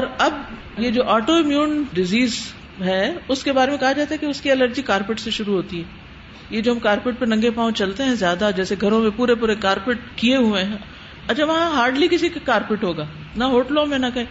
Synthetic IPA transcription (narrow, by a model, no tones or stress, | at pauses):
ɔːɾɐb | jed͡ʒoːʔaːʈoɪmjũːnɖɪziːz | ɦɛːʊskebaːɾemẽkɐɦad͡ʒaːt̪aɦɛkeʊskiɐləɾd͡ʒikaːɾpɪʈseʃʊɾuɦoːt̪iɦɛː | jed͡ʒoːɦɐmkaːɾpɪʈ̚pɐɾnɐ̃ŋɡepaːõt͡ʃɐlt̪eɦɛ̃zjaːd̪ad͡ʒɛːseɡʱɐɾõmẽpuːɾep̬uːɾekaːɾpɪʈ̚kieɦuẽɦɛ̃ | ɐt͡ʃʰaʋɐɦãɦaːɾɖlikɪsikakaːɾpɪʈɦoːɡaː | naɦoːʈlõːmẽnɐkɐɦẽː